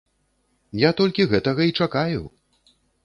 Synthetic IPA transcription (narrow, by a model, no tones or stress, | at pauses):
jat̪ɔlʲkʲiɣɛt̪ɐɣɐit͡ʂakajṵ